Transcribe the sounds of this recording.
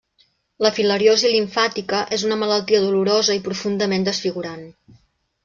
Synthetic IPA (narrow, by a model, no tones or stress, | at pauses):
ləfiləɾjoziliɱfat̪ikəʔezunəmələlˠt̪iəðuluɾozəipɾufund̪əmend̪əsfiɣuɾan